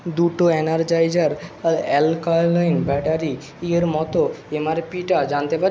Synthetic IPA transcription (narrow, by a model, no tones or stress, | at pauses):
d̪uʈoɛnaɾd͡ʑajd͡ʑaɾɛlkɔlajnbɛʈaɾi | ieɾmɔt̪oemaɾpiʈad͡ʑant̪epaɾ